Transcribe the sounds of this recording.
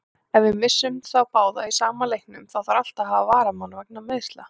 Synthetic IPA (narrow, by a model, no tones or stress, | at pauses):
ɛnvɪðmɪsːʏmθawpaːwðaisaːmalejhknʏmθawθaɾal̥t̪aɦavavaːɾamanvɛk̚nameðst̪la